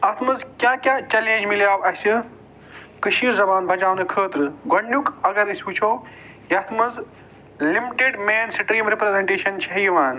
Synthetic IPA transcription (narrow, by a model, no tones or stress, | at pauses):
ɐt̪ʰmɨzkʲjãːkjãːt͡ʃɐlẽːnd͡ʒmiljaːbɐɦsɨ | kɨʃiːɾzɐbaːnbʱɐd͡ʒãːnɨkʰəːt̪ɾɨɡɐɳɖukɐɡɐɾisʲuːt͡ʃʰoː | jɐt̪ʰmɐz | limiʈeɖmeːnsʈɾiːmɾipɾezeɳʈeːʃɐnt͡ʃʰɐɦiʋaːn